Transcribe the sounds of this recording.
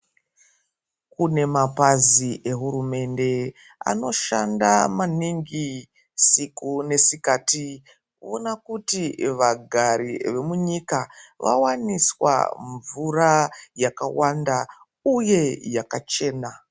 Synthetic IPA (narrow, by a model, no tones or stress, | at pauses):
kune̞mapaziʔe̞ɦuɾume̞nde̞ | a̰no̞ʃa̰nda̰maniŋɡi | sikune̞sikaːti | onakutiʋaɡʱaɾḭʋe̞muɲikaʋa̰waniswa̰ɱvurajakawanda | uje̞jakat͡ʃe̞ːna